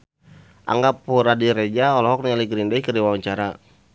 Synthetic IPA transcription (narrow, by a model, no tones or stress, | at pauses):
ʔa̰ŋɡapːuɾadiɾed͡ʒaɔlɔɦɔk̚nɲaliɡɾindaikəɾdiwawaɲt͡ʃaɾa